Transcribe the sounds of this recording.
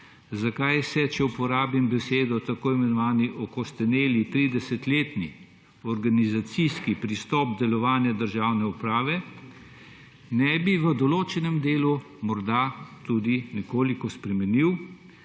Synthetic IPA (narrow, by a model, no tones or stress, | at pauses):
zakajsɛt͡ʃɛupɔɾaːbimbɛseːd̪ɔt̪akoːimɛnɔʋaːniʔɔkɔst̪ɛmeːlit̪ɾid̪ɛsɛt̪leːt̪ni | ɔɾɡanizat̪siskipɾist̪ɔːp̚d̪ɛlɔʋaːnjad̪əɾʒaːwnɛupɾaːʋɛ | nɛbiʋəd̪ɔloːt͡ʃɛnɛmd̪eːlu | mɔɾd̪at̪ud̪inikoːlikɔspɾɛmɛniw